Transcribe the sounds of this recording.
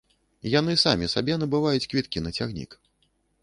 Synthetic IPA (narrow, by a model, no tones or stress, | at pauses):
jan̪ɨsamʲisabʲɛnɐbɨvajut͡sʲkvʲit̪kʲinɐt͡sʲaɣnʲḭk